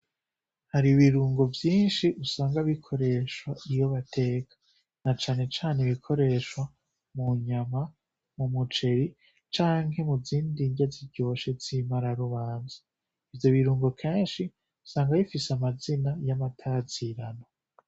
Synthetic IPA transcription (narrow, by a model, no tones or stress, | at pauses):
haɾiuβiɾuːŋɡo̞vjiːnʃiʔusaːŋɡaβikʰo̞ɾe̞ʃwaijo̞βatʰe̞ːkʰḁ | nat͡ʃaːne̞t͡ʃaːne̞βikʰo̞ɾe̞ʃwa | muɲama | mumut͡ʃe̞ɾi | t͡ʃaːŋhe̞muziːndiɲɟaziɟo̞ʃe̞zimaɾaɾuβaːnzḁ | ivjo̞βiɾuːŋɡo̞kʰe̞ːnʃi | usaːŋɡajifisamazinajamatʰaziɾano